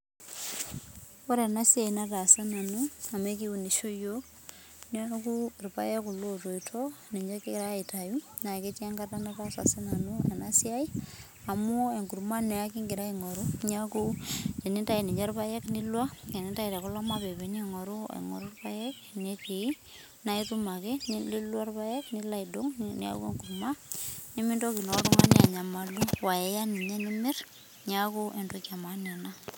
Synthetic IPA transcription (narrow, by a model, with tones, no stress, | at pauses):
o˦ɾe˨na˦sja˨i˨na˦ta˨sa˦na˨nua˨me˦ki˦wu˨ni˨ʃo˦jo | na˦ku˦rupa̰˦je˦ku˨lo˦to˨itʰo˦ni˨ɲd͡ʒa˦ke˦ɾa˦i˨ta˨ju˦ | na˨ke˦t͡ʃe˦ŋɡa˦tanapa˦sa̰˨sa˦nanuḛ˨nasja˦i˦ | a˨mo˦e˨ŋɡu˨ɾma˦ne˨a˦ki˦ŋɡi˨ɾa˦iŋɔ˨ɾu˦ɲa˦ku˦ke˨ni˦ta˦i˨ni˨ɲɛ˦rpa˦jɛ˦knɪ˦lwa˦kɛ˨ni˦ta˦i˨ɾɛ˨kʊ˦lɔ˦ma˦pe˨be˨˦ɲɛ˦ŋɔ˨ɾu˦ḛ˨ŋɔ̰˨ɾu˦rpa˦jɛ˦k | ne˦ti˨˦ | na˨˦i˦tu˦ma˨ke˦ni˦li˦lwa˦rpa˦jɛ˦knɪ˦la˦˨ido˦ŋnḭ˦a̰˦kwḛ˨ŋɡurma˦ni˦mɪ˦ndɔ˦ki˨nɔ˨˦tɔ˦ŋa˦ni˦a˨ɲa˨ma˨lu˦wa˨ɛ˨ja˦ni˨ɲɛ˦nɪ˦mɪ˦r | ɲa˦ko˦ʔe˨ndo˦kja˨ma˨nɛ˨na˦